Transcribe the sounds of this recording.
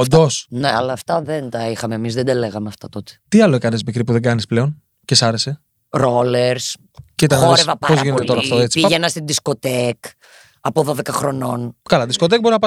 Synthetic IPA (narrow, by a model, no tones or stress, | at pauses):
ond̪osneɐlɐːft̪ɐðent̪ɐixɐmeːmizðed̪ɐleɣɐmeɐft̪ɐt̪o̞t̪e̥t̪iɐloekɐnezmikɾipuðe̞ɡɐnisple̞on | cesɐɾe̞se̞ | ɾo̞leɾs | cit̪ɐnoɾevɐpɐpozʝinet̪eo̞ɾɐtt̪oet͡siiʝenɐst̪id̪isko̞t̪ek | ɐpoðo̞ðe̞kɐxɾo̞no̞nkɐlɐðisko̞t̪ek̚bo̞ɾinɐpɐ